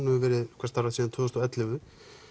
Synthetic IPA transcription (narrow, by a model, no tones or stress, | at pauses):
nɪɪvɛːɾɪkʰɛɾst̪arasiðant̪ʰʏːʏst̪ɔɛt̪lɪvʏ